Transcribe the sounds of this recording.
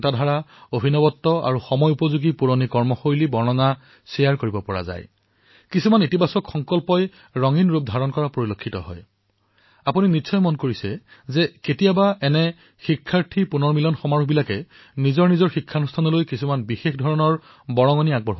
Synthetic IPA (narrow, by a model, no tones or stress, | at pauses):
tadʱaɹaobʱinɔbɔtːɔa̰ɹuxɔmɔjupɔzuɡipuɹonikɔɹmɔxojlibɔɹnɔna | sɛjaɹkoɹibɔpɔɹa̰za̰j | kisumanitibasɔkxɔŋkɔlpɔj | ɹɔŋinɹup̚dʱaɹɔnkɔɹapoɹilokʰːitɔ̰ɦɔ̰j | apuninitːsʰɔjmɔnkoɹisɛzɛketijabaɛnɛ | xikʰːaɹtʰipunɔɹmilɔnxɔmaɹubilakɛ | nizɔɹnizɔɹxikʰːanustʰanɔlojkisumanbixexdʱɔɹɔnɔɹ | bɔɹɔŋɔniaɡ̚bɔɹɦ